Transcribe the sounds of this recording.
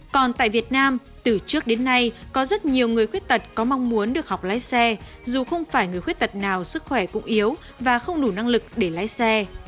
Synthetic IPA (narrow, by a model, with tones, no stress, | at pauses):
kɔ˨˩nt̪a̰ː˧˨vi˨˩ət̚naː˧m | t̪ɨ˨˩t͡ɕɨ˦˥ək̚ɗe˨˦nːa˧jkɔ˨˦zə˦˥t̚ɲi˨˩əwŋɨ˨˩əjxwi˦˥t̚t̪ə˨˩t̚kɔ˨˦ma˧wŋ͡mmu˨˦ənɗɨ˨˩ək̚ha˨˩k͡p̚laː˨˦jsɛ˧ | zu˨˩xə˧wŋ͡mfaː˧˩jŋɨ˨˩əjxwt̚t̪ə˨˩t̚naː˨˩wsɨ˦˥k̚xwɛ˧˩kʊ̰˧˥ŋ͡mʔi˨˦əw | vaː˨˩xə˧wŋ͡mnu˧˩na˧ŋlɨ˨˩k̚ɗe˧˩laː˨˦jsɛ˧